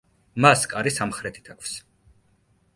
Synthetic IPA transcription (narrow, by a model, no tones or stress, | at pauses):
maskʼaɾisamχɾɛt̪ʰi̥t̪ʰakʷʰfs